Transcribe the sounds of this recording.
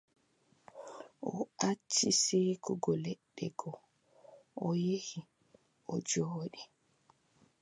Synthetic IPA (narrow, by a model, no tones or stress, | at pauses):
ʔɔ̰at͡ʃːiseːkuɡɔlɛɗːɛɡɔ | ɔjehi | ʔɔd͡ʒoːɗi